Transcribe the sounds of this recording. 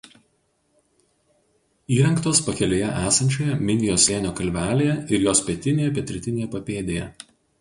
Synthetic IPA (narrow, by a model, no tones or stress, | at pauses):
iːɾʲɛŋkt̪oːspɐkʲɛlʲeːjɛʔæːsɐnʲt͡ʃʲoːjɛmʲɪnʲɪjoːsʲeːnʲoːkɐlʲʋʲæːlʲeːjɛɪɾjoːspʲɛt̪ʲɪnʲeːjɛpʲɛt̪ʲɾʲɪt̪ʲɪnʲeːjɛpɐpʲeːd̪ʲeːjɛ̰